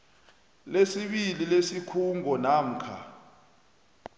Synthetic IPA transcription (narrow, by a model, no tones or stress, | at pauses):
lesiɓililesikʰuŋʱɔnam̩kʰa̰